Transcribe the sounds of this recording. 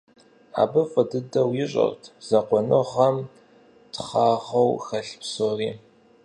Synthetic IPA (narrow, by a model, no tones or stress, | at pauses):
a̰ːbɨfʼɨdɨdɐwjɪɕʼɐ̰rtʰz̥ɐqʷɔnɨʁɐm | tχɑːʁɐwxɐɬpsoːriː